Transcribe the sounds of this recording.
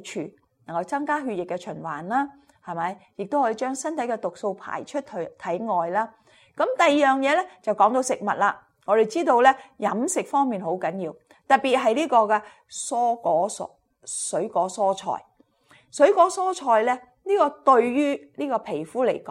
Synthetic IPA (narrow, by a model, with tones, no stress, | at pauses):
t͡ʃʰyː˨˩ | nɐ˨˩ŋkɐ˧wt͡sɐ˥ŋkaː˥ɦyː˧t̚jɪ˨kːɛ˧t͡ʃʰɵ˨˩nwa̰ː˨˩nlaː˥ | hɐ˨jmɐ˨˥jjɪ˨k̚t̪o˥whɔ˨˥iː˧t͡ʃœː˥ŋsɐ˥nt̪ʰɐ˨˥jkɛ˧t̪ʊ˨k̚so˧wpʰa̰ː˨˩jt͡ʃʰɵ˥t̚tʰt̪ʰɐ˨˥jŋɔː˨jlaː˥ | kɐ˨˥mt̪ɐ˨jjœː˨˩ŋjɛː˨˧lɛ˥t͡sɐ˨˩wkɔː˨˥ŋt̪o˧wsɪ˨k̚mɐ˨t̚laː˧ | ŋɔː˨˧ɾe˨jt͡siː˥t̪o˧wlɛ˥jɐ˨˥msɪ˨k̚fɔː˥ŋmiː˨nɦo˨˥wkɐ˨˥njiː˧w | t̪ɐ˨t̚piː˨t̚ɦɐ˨jliː˥kɔː˧kɛː˧ | sɔː˥kɔː˨˥sɔ̰˥ | sɵ˨˥ɥkɔː˨˥sɔː˥t͡ʃʰɔ̰ː˨˩j | sɵ˨˥ɥkɔː˨˥sɔː˥t͡ʃʰɔː˨˧jlɛ˥ | niː˥kɔː˧t̪ɵ˧ɥjyː˥liː˥kɔː˧pʰe˨˩jfuː˨˥le˨˩jkɔː˨˦